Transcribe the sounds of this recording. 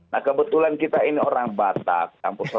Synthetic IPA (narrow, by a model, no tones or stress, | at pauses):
nahkəbət̪ulankit̪ainioɾaŋbat̪a̰k̚a̰mpʊŋsɔ